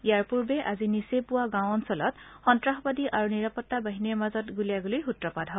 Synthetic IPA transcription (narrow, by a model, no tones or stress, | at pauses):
ijaɹpuɹbɛʔazinisepʊwaɡãwɔnsɔlɔtxɔntɹaxbadiʔaɹuniɹapɔtːabaɦiniɹmazɔtɡuliaɡolojxutɹɔpadʱɦɔ